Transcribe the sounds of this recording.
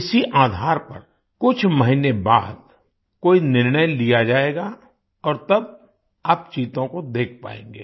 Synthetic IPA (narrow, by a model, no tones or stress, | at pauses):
ɪsiʔaːd̪ʱaːɾpɐ̰ɾ | kʊt͡ʃʰmɐɦineba̰ːd̪̚ | koːinɪɾɳəjlijad͡ʒaːeːɡa | ɔːɾt̪ɐb̚ | aːp̚t͡ʃiːt̪õkod̪eːk̚ʰpa̰ːḛ̃ːŋɡḛː